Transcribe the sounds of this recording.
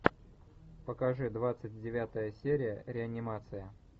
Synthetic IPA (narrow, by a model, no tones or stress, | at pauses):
pəkɐʐɨd̪vat̪sɨtʲdʲɪvʲat̪əjəsʲeɾʲɪjəɾʲɪɐnʲɪmat̪sɨjə